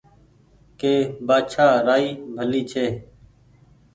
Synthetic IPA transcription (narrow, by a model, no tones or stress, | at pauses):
keːbaːt͡ʃʰaːɾaːiːbʱəliːt͡ʃʰeː